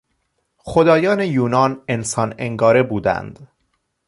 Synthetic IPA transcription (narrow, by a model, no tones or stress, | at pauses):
xod̪ɒːjɒːne̞juːnɒːne̞nsɒːne̞ŋɡɒːɾe̞buːd̪æ̰nd̪̥